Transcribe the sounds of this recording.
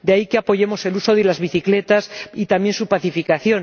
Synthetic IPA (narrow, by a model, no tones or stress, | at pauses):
d̪eaikeapo̞ʝe̞mo̞se̞luso̞ðelazβiθikle̞t̪asit̪amje̞nsupaθifikaθjo̞n